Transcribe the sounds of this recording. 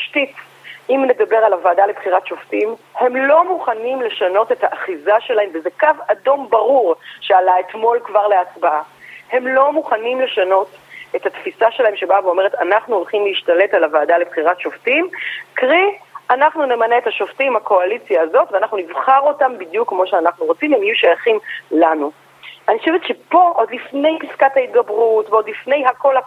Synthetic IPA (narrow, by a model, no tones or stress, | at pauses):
ʃtit | imne̞dabe̞ʁalavaːdalebχiʁatʃo̞ftimhe̞mlo̞muχanimle̞ʃano̞te̞thaʔːχizaʃe̞laɦe̞mvezekavado̞mbaʁuʁʃealaetmo̞lkvaʁleat͡sbaahe̞mlo̞muχanimle̞ʃano̞te̞thatfisaʃe̞lae̞mʃebaveo̞me̞ʁetanaχnuolχimliːʃtale̞talavaːdalebχiʁatʃoftimkʁianaχnune̞maneethaʃoftimhako̞alit͡sjaːzo̞tveanaχnunivχaʁo̞tambidjukmo̞ʃeanaχnuʁo̞t͡simemajuʃajaχimlanu | aniχoʃevetʃepo̞ʔodlifne̞jpiskathait̪̚ɡabʁutveo̞d̪lifne̞jɦako̞la